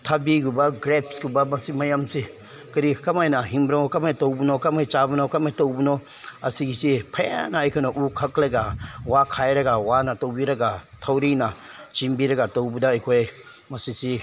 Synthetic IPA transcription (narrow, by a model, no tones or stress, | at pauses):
tʰabiɡubaɡɾep̚sɡubamasimajamsi | kɐɾikamajnaɦimbɾaŋɔkamajtowbunɔkamajt͡ʃabunɔkamajtowbunɔ | asiɡisipʰaja̰naːjkʰɯnaʔukʰaklaɡawakʰajɾɐɡawanatowbiɾɐɡatʰawɾinat͡ʃimbiɾɐɡatowbudaajkʰoj | masisi